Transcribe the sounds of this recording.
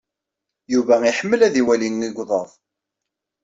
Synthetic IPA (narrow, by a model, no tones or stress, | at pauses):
juvæiħəmːəlæðiwælinːiɡʷðˤɑðˤ